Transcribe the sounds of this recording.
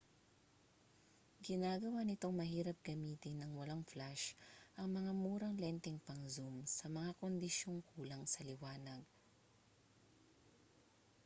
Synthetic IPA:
ɡɪnaːɡɐwanɪt̪o̞ŋmɐhiːɾɐp̚ɡ̥ɐmiːt̪ɪnːɐŋwɐlaŋflaʃʔɐŋmɐŋamuːɾɐŋlɛnt̪ɪŋpɐŋzumsɐmɐŋakond̪ɪʃjo̞ŋkʰuːlɐŋsɐlɪwaːnɐɡ̚

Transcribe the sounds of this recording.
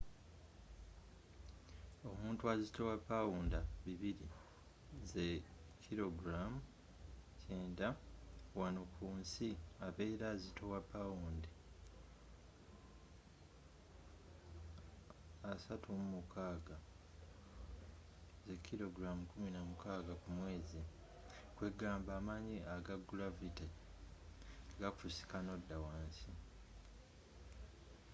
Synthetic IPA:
o̞muːntuazitowapːawuːndaβiβiɾi | ze | kʰːiɾo̞ɡɾamu | ceːndawanokʰuːnsiaβe̞ːɾazitʰo̞wapːawuːnde | satʰumumukʰaːɡa | ze̞kʰːilo̞ɡɾamukuminamukaːɡakumwe̞ːzi | kweɡaːmbaːmaːɲiʔaɡaɡːulavita | ɡakusi̥kano̞dːawaːnsi

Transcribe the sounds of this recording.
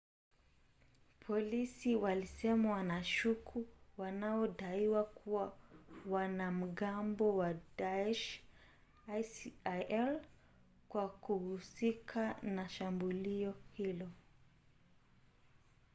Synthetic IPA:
pʰɔlisiwalisɛmawanaʃukʰuwanaɔɗaiwakʰuwawanam̩ɠambɔwadaɛʃ | sʔɛl | kwakuhusikʰanaʃambuliɔhilɔ

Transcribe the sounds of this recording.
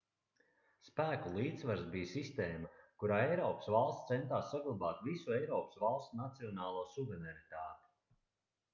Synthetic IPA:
spæːkulˠiːt̪svaɾsbijsist̪eːmakuɾaːɛjɾɔːpsvalˠst̪sɛnt̪aːsːaɡlˠabaːt̪visuɛjɾɔːpsvalˠsnat̪siɔnaːlˠuːsuvɛɾɛɾit̪aːt̪i̥

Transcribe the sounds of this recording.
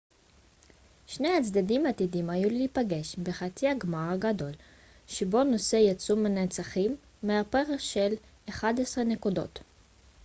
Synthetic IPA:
ʃne̞jat͡sd̪adimat̪idimajuliipaɡe̞ʃbeχat͡siaɡmaʁɡado̞l | ʃebo̞no̞se̞jat͡sumenet͡saχimː | eape̞ʁeχʃel | eχad̪esʁene̞kudo̞̰t̪

